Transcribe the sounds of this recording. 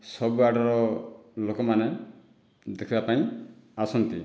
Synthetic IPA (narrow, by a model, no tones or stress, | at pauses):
sɔbuaɖɔɾɔlokɔmane | d̪ekʰibapaĩasɔnt̪i